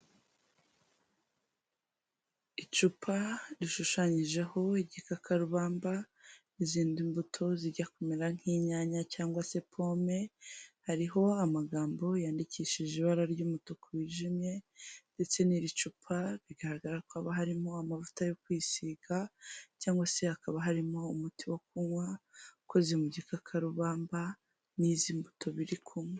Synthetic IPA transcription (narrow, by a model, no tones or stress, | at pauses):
it͡ʃupʰaɾiʃuʃaɲiʒe̞ho̞iɟikakʰaɾuβaːmba | iziːndimbutʰo̞ziɟakomeɾaŋ̥iːɲaːɲacaːŋɡwase̞pʰo̞me̞haɾiɦo̞amaɡaːmbo̞jaːndiciːʃiʒeiβaɾaɾɟuːmutokwiːʒimje̞nde̞t͡se̞niɾit͡ʃupʰaβiɡaɾaɡaɾakaβaɦaɾimo̞amavutajo̞kwisiːɡacaːŋɡwase̞hakaβaɦaɾimo̞umutʰiwo̞k̚uŋwako̞zimuɟikakʰaɾuβaːmba | niziːmbutʰo̞βiɾikʰuŋwa